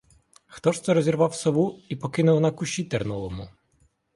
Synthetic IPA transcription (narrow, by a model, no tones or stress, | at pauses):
xt̪ɔʃɛɾɔzʲirʋɑwsɔʋuipɔkɪnʊwnɐkʊʃʲit̪ɛrnulˠɔmʊ